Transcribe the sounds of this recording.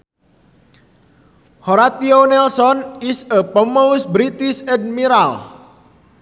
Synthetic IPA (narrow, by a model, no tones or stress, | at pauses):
hoɾat̪ionɛlsɔnisəpəmost̪̚bɾit̪isɛ̃d̚miɾal